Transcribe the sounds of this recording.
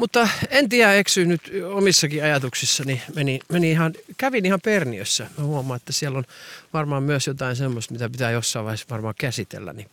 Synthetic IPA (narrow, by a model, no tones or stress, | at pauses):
mut̪ːɑent̪iæeksyːnyt̪omisːɑkiɑjɑt̪uksisːɑnimenimeniihɑnkæʋinihɑperniø̰sːæmøhuomˑɑːet̪ːæsielːonʋɑrmɑːmmyøsjot̪ɑinsemːost̪mit̪æpit̪æːjosːɑiʋɑihesʋɑrmɑːkæsit̪ḛlːæ̰nḭːŋku